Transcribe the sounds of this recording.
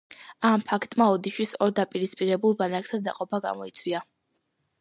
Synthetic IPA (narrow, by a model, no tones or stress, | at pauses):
ampʰakʰt̪ʼmaɔd̪iʃwisɔɾd̪apʼiɾispʼiɾɛbulˠbanak̚ʼt̪ʰad̪a̰qʼɔpʰaɡa̰mɔit̪sʰwia